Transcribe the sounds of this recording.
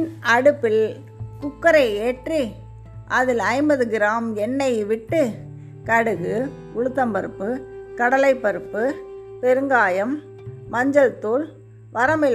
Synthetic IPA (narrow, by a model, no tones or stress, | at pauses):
nɐɽɯpːɪl | kʊkːɐɾɐɪeːʈri | ʔɐðɪlɐɪmbɐðɯɡɪɾaːmɛnːɐɪʋɪʈːɯ | kɐɽɯɣɯ | kʊɻɯt̪ːɐmpɐɾɯpːɯkɐɽɐlɐɪpːɐɾɯpːɯpɛɾɯŋɡaːjɐmː | ɐɲd͡ʒɐlt̪uːl | ʋɐɾɐmɪl